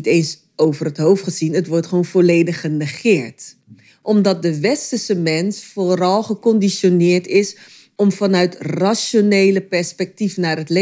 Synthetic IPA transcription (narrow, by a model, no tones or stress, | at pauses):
teːns | owvərətɦowftχəzinətʋɔɹtχʋownvɔlejdəχənəχɪːɹt | ʔɔmdɑt̚dəʋɛstəsəmɛnsfoɾɑlˠχəkɔndiʃonɪːɹtɪs | ɔmfɑnœɥtraʃonejləpɛɹspɛk̚tifnaːrətle